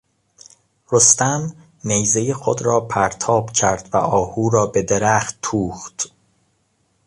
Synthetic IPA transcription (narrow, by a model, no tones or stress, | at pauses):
ɾost̪ænː | ejzejexod̪ɾɒːpʰæɾt̪ʰɒːb̥cʰæ̰ɾd̪̥væ̰ʔɒːhuːɾɒːbe̞d̪eɾæχt̪ːʰuːχt̪